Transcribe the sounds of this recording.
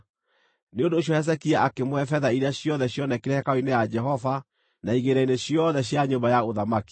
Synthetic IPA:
neondoːɕjɔhɛs̬ɛkiaʔakemwɛfɛðaiɾeaɕjɔðɛɕjɔnɛkeɾɛhɛkaoinejad͡ʒɛɦɔva | naiɣeɾaineɕjɔðɛɕjaɲombajaoðamaki̥

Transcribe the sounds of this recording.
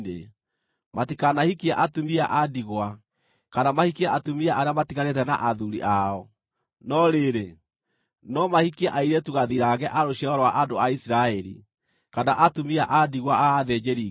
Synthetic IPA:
ḛ | matikanahikiaʔatumia̰ʔadiɣwa | kanamahikiaʔatumiaʔaɾeamatikaɾet̬ɛna̰ʔaðuɾḭʔaɔ | nɔɾeɾe | nɔmahikiaʔaiɾɛtuɣaðiɾaɣɛʔaɾoɕiɛɔɾɔwaʔadoaisiɾaɛɾḭ | kanaʔatumiaʔadiɣwaaːðɛd͡ʒeɾi

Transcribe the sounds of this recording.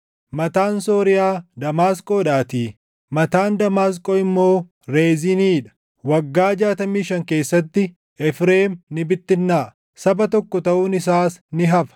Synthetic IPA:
mɐt̪aːnso̞ːɾɪjaːd̪ɐmaːskʼoːᶑaːt̪iː | mɐt̪aːnd̪ɐmaːs̬kʼoːɪmːo̞ː | ɾeːziniːᶑɐ̥ | wɐɡːaːd͡ʒaːt̪ɐmiːʃɐŋke̞ːsːɐt̪ːɪ | ɛfɾeːmnɪbɪt̪ːɪnːaː | sɐbɐt̪ɔkːɔt̪ɐʔuːnɪsaːsnɪɦɐfɐ̥

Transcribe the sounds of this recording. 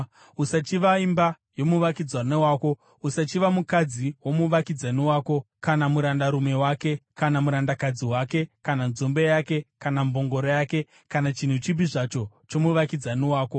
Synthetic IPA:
usat͡ʃiʋaimba | jo̞muʋakid͡zwanewaːko̞ | usat͡ʃiʋamukad͡ziwo̞muʋakid͡zaniwaːko̞ | kanamuɾandaɾume̞wake̞kanamuɾandakad͡ziwake̞kananzombe̞jake̞kanambʱo̞ŋɡo̞ɾojake̞ | kanat͡ʃin̤ut͡ʃibiʐat͡ʃo̞ | t͡ʃomuʋakid͡zaniwaːko̞

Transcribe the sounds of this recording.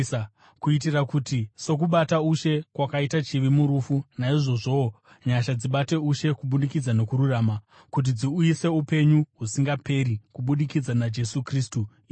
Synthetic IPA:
kuit̬irakutiso̞k̬uɓatauʃe̞kwakaitat͡ʃiʋimuɾufunaiʐo̞ʐo̞ | ɲaʃad͡ziɓate̞uʃe̞kuɓuɗikid͡zano̞kuɾuraːma | kut̬id͡ziujise̞upe̞ɲuɦusiŋɡape̞ɾikuɓuɗikid͡zanad͡ʒe̞sukristuː

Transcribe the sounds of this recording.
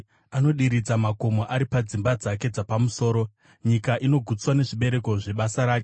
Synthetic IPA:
ano̞ɗiɾid͡zamako̞mo̞ʔaɾipad͡zimbad͡zake̞d͡zapamuso̞ːɾo̞ | ɲikaʔino̞ɡʱut͡swane̞ʐiɓe̞ɾe̞ko̞ʐe̞ɓasaɾaːke

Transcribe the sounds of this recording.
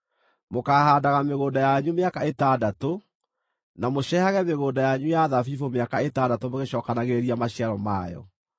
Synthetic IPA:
mokaːhaːdaɣameɣoːdajaɲumeakaetadato | namoɕɛhaɣɛmeɣoːdajaɲujaðafifomeakaetaːdatomoɣeɕɔːkanaɣeɾeɾiamaɕiaɾɔma̰jɔ̰

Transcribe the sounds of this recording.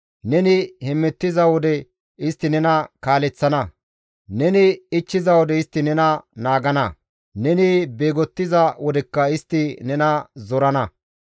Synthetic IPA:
nɛnɪhɛmːɛt̪ːɪzɐwɔd̪ɛ | ɪst̪ːɪnɛnɐkaːlɛt͡sːɐnɐ | nɛnɪɪt͡ʃːɪzɐwɔd̪ɛɪst̪ːɪnɛnɐnaːɡɐnɐ | nɛnɪbe̞ːɡɔt̪ːɪzɐwɔd̪ɛkːɐɪst̪ːɪnɛnɐzɔɾɐnɐ

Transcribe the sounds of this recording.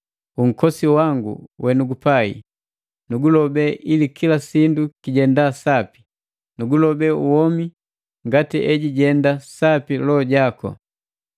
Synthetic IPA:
uŋ̩kɔsiwaŋɡṵwɛnuɡupaḭ | nuɡulɔbɛʔilikʰilasindukiɟɛndasapi̥ | nuɡulɔbɛuwɔmi | ŋɡatiʔɛɟiɟɛndasapilɔɟakɔ̰

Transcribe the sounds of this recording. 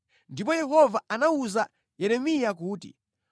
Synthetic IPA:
ndip̬ɔjɛɦɔvaʔanauza | jɛɾɛmijakuːtḭ

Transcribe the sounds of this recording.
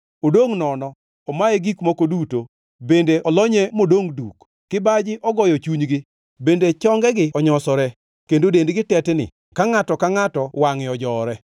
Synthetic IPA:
odoŋnɔnɔ | ɔmaeɡikmɔkoduto | bendeʔɔlɔɲɛmodoŋduk | kɪbad͡ʒɪʔɔɡɔjɔt͡ʃuɲɡɪ | bendet͡ʃɔŋɡɛɡɪɔɲɔsɔɾɛ | kendodendɡɪtɛtnɪ̰ | kaŋatɔkaŋatɔwaŋɪɔd͡ʒɔːɾɛ

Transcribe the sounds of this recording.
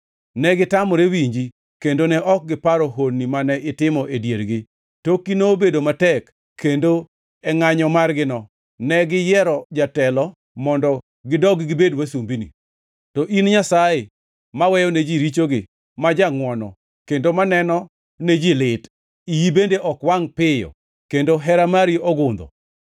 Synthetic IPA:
nɛɡɪtamɔɾewiɲd͡ʒi | kendonɛʔɔk̚ɡɪpaɾoɦonːimanɛʔɪtɪmɔʔedjeɾɡɪ | tokinobedomatɛk | kʰːendo | ɛŋaɲɔmarɡɪnɔ | nɛɡɪjɛɾɔd͡ʒatɛlɔ | mɔndɔ | ɡɪdɔɡɡɪbedwasumbinḭ | tɔʔinɲasaje | mawɛjɔned͡ʒiɾit͡ʃoɡɪ | mad͡ʒaŋwɔnɔ̰ | kendomanɛnɔ | ned͡ʒilɪt | ijibendeʔɔkwaŋpɪjɔ̰ | kendoɦɛɾamaɾiʔɔɡʊnd̪ɔ̰

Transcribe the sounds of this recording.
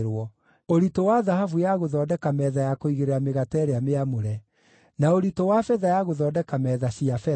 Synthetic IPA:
ɾwɔ | oɾitowaðahavujaɣoðɔːdɛkamɛðajakoiɣeɾeɾameɣatɛːɾeameamoɾɛ | naoɾitowafɛðajaɣoðɔːdɛkamɛðasiafɛ

